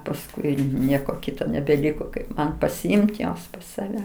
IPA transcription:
pɐsˈkʊɪ ˈnʲiɛkoː ˈkʲɪtoː nʲɛbʲɛˈlʲɪkoː kɐɪp ˈmɐn pɐsʲɪˈɪmt ˈjuɔs pɐs sɐˈʋʲɛ

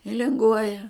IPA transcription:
ɪ lʲɪŋˈɡuɔjɛ

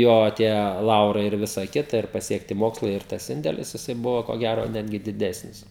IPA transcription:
ˈjoː tʲiɛ ˈlˠɐʊrɐɪ ɪr ˈʋʲɪsɐ ˈkʲɪtɐ ɪr pɐsʲiɛkˈtʲɪ ˈmoːkslˠɐɪ ɪr ˈtɐs ˈɪnʲdʲɛlʲɪs jɪˈsɐɪ ˈbʊʋoː koː ˈɡʲæroː ˈnʲæːdʲɡʲɪ dʲɪˈdʲæːsʲnʲɪs

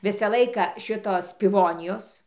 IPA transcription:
ˈʋʲɪsɐ ˈlˠɐɪkɐ ˈʃʲɪtoːs pʲɪˈʋoːnʲɪjoːs

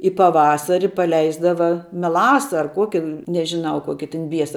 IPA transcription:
ɪ pɐˈʋɑːsɐrʲɪ pɐˈlʲɛɪzdɐʋɐ mʲɛˈlˠɑːsɐ ɐr ˈkuɔkʲɪ nʲɛʒʲɪˈnɐʊ ˈkuɔkʲɪ tʲɪn ˈbʲiɛsɐ

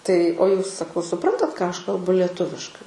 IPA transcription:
tɐɪ oː ˈjuːs sɐˈkɐʊ sʊˈprɐntɐt kɑː ˈɐʃ kɐlˠˈbʊ lʲɛˈtʊʋʲɪʃkɐɪ

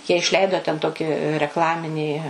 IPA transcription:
jiɛ ɪʃʲˈlʲɛɪdoː tʲɛn ˈtoːkʲɪ rʲɛkˈlˠɑːmʲɪnʲiː

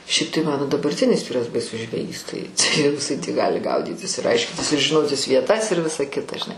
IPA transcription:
ˈʃʲɛɪp tɐɪ ˈmɑːnoː dɐbɐrʲˈtʲɪnʲɪs ˈʋʲiːrɐs bɐɪˈsʊs ʒʲʋʲɛˈjiːs ˈtɐɪ tɐɪ jɛʊ jɪˈsɐɪ tʲiː ˈɡɑːlʲɪ ˈɡɐʊdʲiːtʲɪs ɪr ˈɐɪʃʲkʲɪnʲtʲɪs ɪr ʒʲɪˈnoːtʲɪs ʋʲiɛˈtɐs ɪr ˈʋʲɪsɐ ˈkʲɪtɐ ʒʲɪˈnɐɪ

